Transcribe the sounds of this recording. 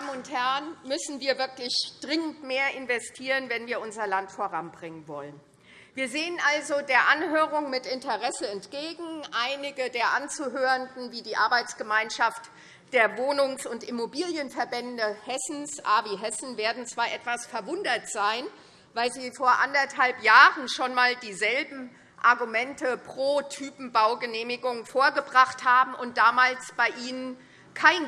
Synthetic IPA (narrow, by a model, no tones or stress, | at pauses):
d̥aːmənʊnthɛɐnmʏsn̩viːɐvɪɐklɪçd̥ʁɪŋəntmeːɐʔɪnvɛstʰiːʁənvɛnviːɐʔʊnzɐlantfoːʁanbʁɪŋənvɔ̰lən | viːɐzeːənʔalzodeːɐʔanɦøːʁʊŋmɪtɪntəʁɛsəɛntɡ̥eːɡŋ̩ʔaɪnɪɡədeːɐʔant͡suːɦøːʁəndn̩viːdiːʔaɐbaɪt͡sɡ̥əmaɪnʃaft | d̥eːɐvoːnʊŋsʊntɪmobiːljənfɛɐbɛndəhɛsn̩sʔaːviːɦɛsn̩veːɐdn̩t͡sv̥aːɐʔɛtv̥asfɛɐvʊndɐtz̥aɪn | vaɪlziːfoːɐʔandɐthalpjaːʁənʃoːnmaːldiːzɛlbm̩ | ʔaɐɡumɛntəpʁ̥oːtʰyːpm̩baʊɡəneːmɪɡʊŋfoːɐɡəbʁaχthaːbm̩ʊnt̚d̥aːmaːlsb̥aɪʔiːnən | kʰaɪn